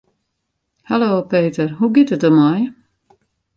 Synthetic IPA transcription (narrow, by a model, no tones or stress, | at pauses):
hɛloːpeːtərɦuɡɪtət̚dəmaj